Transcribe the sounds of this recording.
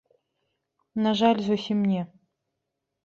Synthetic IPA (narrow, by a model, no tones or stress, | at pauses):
naʒalʲzosimnʲe